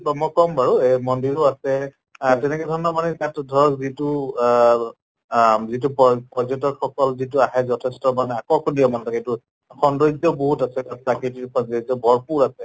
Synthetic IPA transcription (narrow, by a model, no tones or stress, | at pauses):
bamɔkɔmbaɹuemɔndiɹɔasɛ | tɛnɛkɛdʱɔnɔbanɛkatdʱɔɹɔzitu | zit̬uppɔzɔtɔtxɔkɔlzit̬uaɦɛzɔtʰestɔmanɛakɔkʰɔndiɔmantɔketu | xɔndojzɔboɦutasɛkat̚plaketikɔzizɔbɔɹpuɹasɛ